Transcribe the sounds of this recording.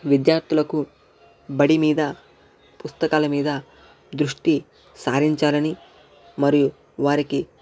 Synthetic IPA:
ʋid̪jaːɾt̪ʰilɐku | bɐɽimiːd̪ɐ | pust̪ɐkaːlɐmiːd̪ɐ | d̪ɾuʂʈi | saːɾiɲt͡ʃaːlɐni | mɐɾiju | ʋaːɾiki

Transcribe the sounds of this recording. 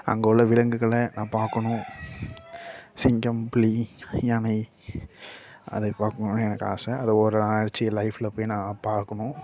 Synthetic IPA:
ɐ̰ŋɡɐɔlːɐʋɪɻɐŋɡɯɣɐɭɐnʔãːpaːɾkɐɳʊ̃ | sɪŋɡɐmplijɐɳɐɪ | ɐ̰ðɐpaːɾkɯŋɡnɯɛnɐkːa̰ːsɐɐðɐɔɾɯaɽt͡ʃːɪlɐɪfɪlɐpːoːjnãːpaːɾkɐɳʊ̃

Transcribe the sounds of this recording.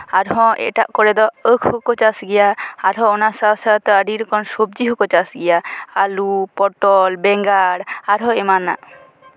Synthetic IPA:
aɾɦɔ̃ɛ̰ʈaʔkɔɾɛd̪ɔəkʰhɔkɔt͡ʃasɡɛjaːɾɦɔ̃ɔnasasat̪ɔəɖiɾkɔnsob̚d͡ʒiɦɔkɔt͡ʃasɡɛjaalupɔʈɔlbɛŋɡaɽaɾɦɔ̃ɛmana̰ʔ

